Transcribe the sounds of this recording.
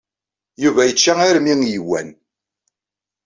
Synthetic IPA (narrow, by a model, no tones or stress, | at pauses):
juvæjət͡ʃːææɾmiŋjiwːæ̰n